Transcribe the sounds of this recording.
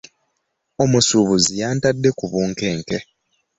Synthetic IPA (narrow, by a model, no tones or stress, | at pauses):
o̞musuβuzijaːntadːe̞kuβuːŋke̞ːŋke̞